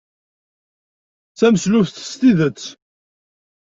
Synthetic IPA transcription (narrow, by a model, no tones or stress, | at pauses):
t͡sæməslʊfθə̥st̪iðət͡sː